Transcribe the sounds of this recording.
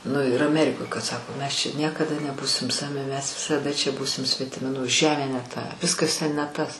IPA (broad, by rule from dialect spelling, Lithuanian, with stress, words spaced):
nʊ ɪr ɐˈmʲæːrʲɪkoːj kɐt ˈsɑːkoː ˈmʲɛs t͡ʃʲɛ ˈnʲiɛkɐdɐ nʲɛˈbuːsʲɪm ˈsɑːʋʲɪ mʲɛs ʋʲɪsɐˈdɐ t͡ʃʲɛ ˈbuːsʲɪm sʲʋʲɛtʲɪˈmʲɪ nʊ ˈʒʲæːmʲeː nʲɛ ˈtɐ ˈʋʲɪskɐs tʲɛn nʲɛ ˈtɐs